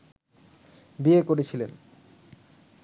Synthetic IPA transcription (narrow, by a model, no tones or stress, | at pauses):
biekoɾet͡ɕʰilen